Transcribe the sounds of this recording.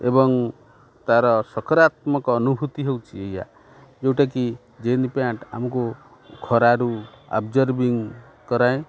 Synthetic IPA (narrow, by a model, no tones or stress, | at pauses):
ebɔŋ | t̪aɾɔsɔkʰɔɾat̪mɔkɔːnubʱut̪iɦewt͡ʃʰieja̰ | d͡ʒewʈaki | d͡ʒenipeãʈa̰mɔku | ɡʰʱɔɾaɾua̰bd͡ʒɔɾbiŋ | kɔɾaẽ